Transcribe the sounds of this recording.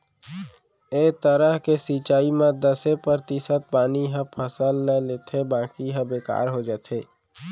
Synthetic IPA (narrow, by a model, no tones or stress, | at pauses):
eːt̪əɾəɦkesiːt͡ʃaːimãd̪əsepɾəɾt̪isət̪̚paːniɦə̃pʰəsəlnəleːt̪ʰebãːkiɦə̃beːka̰ːɾɦod͡ʒaːt̪ʰeː